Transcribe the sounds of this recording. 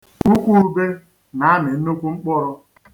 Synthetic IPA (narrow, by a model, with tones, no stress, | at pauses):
u˦kʷu˦be˦ | na˨a˦me˨n̩˦no˦kʷu˦ŋ͡m̩˦k͡pɔ˦ɾɔ˦